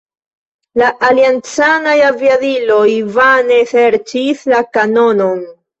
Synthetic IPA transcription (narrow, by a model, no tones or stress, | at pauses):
laʔaliant͡sanajaviadilo̞jvane̞se̞ɾt͡ʃislakano̞no̞n